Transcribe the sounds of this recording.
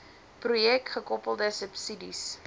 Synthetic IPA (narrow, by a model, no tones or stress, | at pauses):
prujɛk̚tχəkɔpəlˠdəsəpsidḭs